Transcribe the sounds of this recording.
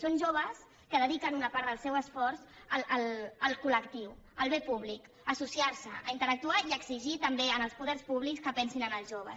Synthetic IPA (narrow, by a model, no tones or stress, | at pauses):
sonʒoβ̞əs | kəðəðikənunəpaɾt̪ðəlˠsɛwəsfɔɾzələlˠəlˠkuləkt̪iwəlˠβepuβ̞lik | əsusiaɾsəəint̪əɾək̚t̪uaiəɡziʒit̪əmbeənəlˠspuðɛrspuβlikskəpɛnsinənəlˠzʒoβəs